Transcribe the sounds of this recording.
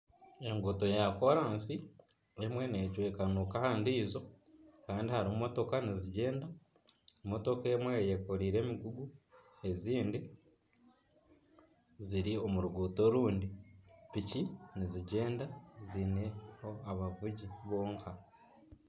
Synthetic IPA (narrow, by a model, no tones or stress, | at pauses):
e̞ŋɡuto̞jako̞ɾaːnsi | emwe̞necwe̞ːkanukahaːndiːzo̞ | kaːndihaɾimumo̞to̞kaniziɟe̞ːnda | mo̞to̞ke̞mwejeko̞ɾiːɾe̞ːmiɡuɡu | e̞ziːndi | ziɾio̞muɾuɡuːto̞ɾuːndipiciniziɟe̞ːndazine̞ho̞aβavuɟiβo̞ːŋkʰa